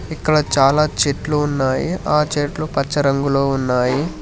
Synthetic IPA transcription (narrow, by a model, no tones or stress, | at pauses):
ikːɐɽɐt͡ʃaːlaːt͡ʃeʈluːnːaːjiaːt͡ʃeːʈlupɐt͡ʃːɐɾɐŋɡuloːunːaːji